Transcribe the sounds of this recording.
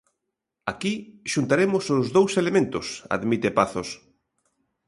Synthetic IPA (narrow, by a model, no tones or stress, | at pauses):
akiʃunt̪aɾemʊsʊzðowselemẽnt̪ʊ̰sa̰ðmit̪epaθos